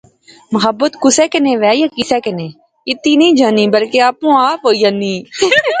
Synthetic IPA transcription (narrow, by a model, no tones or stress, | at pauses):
məɦəbːət̪kʊsɛːkənẽːʋɛːjakɪsɛːkənẽː | ɪt̪ːiːnĩːd͡ʒaːniːbəlkeaːpũːaːpɦoːijanːiː